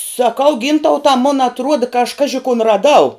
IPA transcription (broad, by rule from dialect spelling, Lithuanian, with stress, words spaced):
sɐˈkɐʊ ˈɡʲiːntɐʊtɐ mʊn ɐtˈruɔdɐ kɐ ɐʃ ˈkɑːʒʲɪ kʊn rɐˈdɐʊ